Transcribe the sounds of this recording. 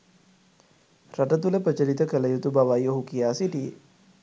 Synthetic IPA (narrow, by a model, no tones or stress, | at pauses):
ɾaʈət̪uləpət͡ʃəɾit̪əkələjut̪ubaʋajoɦukijaːsiʈḭ